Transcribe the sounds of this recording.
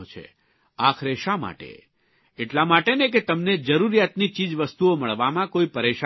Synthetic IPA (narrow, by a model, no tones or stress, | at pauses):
t͡ʃʰḛ | akʰɾeʃama̰ʈḛ | eʈlamaʈenek̬et̪əmned͡ʒəɾuɾijat̪nit͡ʃid͡ʒʋəst̪uoməɭʋamãkoipəɾeʃa